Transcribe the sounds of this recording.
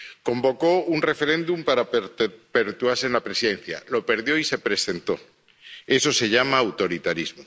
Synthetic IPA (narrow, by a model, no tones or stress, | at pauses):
kõ̞mbo̞ko̞unre̞fe̞ɾe̞nd̪umpaɾape̞ɾt̪uaɾse̞nlapɾe̞siðẽ̞nθja̰lo̞pe̞ɾðjo̞ise̞pɾe̞se̞nt̪o̞̰ | e̞so̞se̞ʝamaːwt̪o̞ɾit̪aɾizmo